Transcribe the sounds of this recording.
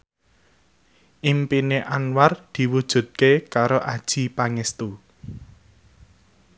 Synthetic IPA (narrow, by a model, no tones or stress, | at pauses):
ʔimpineʔanward̪̥i̤wud̥ʒ̥ṳt̪̚kekaɾoʔad̥ʒ̥ipaŋɛst̪u